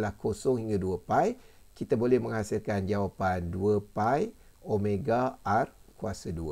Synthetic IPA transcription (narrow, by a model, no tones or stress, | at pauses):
lahkosɔŋhiŋɡaduəpaj | kit̪abolɛhmə̃ŋhasilkand͡ʒawapanduəpaj | omẽɡaːrkuasaduə